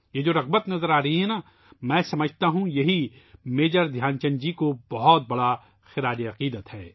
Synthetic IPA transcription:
jeːd͡ʒoːɾɐʁbət̪nɐzəɾaːɾɐɦiɦɛna | mɛ̃ːsɐməd͡ʒʱt̪aɦũjɐɦimeːd͡ʒəɾd̪ʱjaːnt͡ʃɐ̃nd͡ʒikobɐɦɔt̪̚bɐɽa | xɪɾaːd͡ʒiɐqiːd̪ət̪hɛː

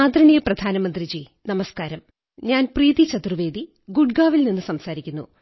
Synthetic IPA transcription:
aːd̪ɾɐɳijɐprɐd̪ʱaːnɐmɐnd̪rid͡ʑi | nɐmɐskaːɾɐm | ɲaːnpriːðit͡ɕɐt̪rɨʋe̞ːd̪i | ɡuɖɡaːʋilninːɨsɐmsaːɾikʲːunːṵ

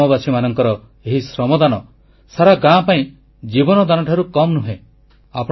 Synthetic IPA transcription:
ɔbasimanɔŋkɔɾɔ | eɦisɾɔmɔd̪anɔ | saɾaɡãpaĩ | d͡ʒibɔnɔd̪anɔʈʰaɾukɔmnuɦẽ | apɔ

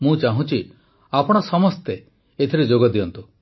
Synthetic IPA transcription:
mũt͡ʃaɦũt͡ʃʰi | apɔɽ̃ɔsɔmɔst̪e | et̪ʰiɾed͡ʒoɡɔd̪iɔnt̪u

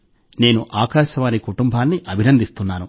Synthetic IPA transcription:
ne̞ːnuʔaːkaːʃɐʋaːnikuʈumbʱaːnːiʔɐbʱinɐnd̪ist̪unːaːnu

